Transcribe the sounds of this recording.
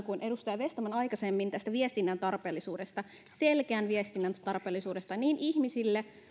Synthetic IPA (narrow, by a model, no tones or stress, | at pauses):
kunʔe̞dust̪ɑjɑʋe̞st̪ɑmænɑjkɑsemːint̪æst̪æʋiest̪inːænt̪ɑrpe̞ːlːisuːdest̪ɑ | selkeænʋiest̪inːænt̪ɑrpeːlːisuːdest̪ɑniːnʔiçmisilːe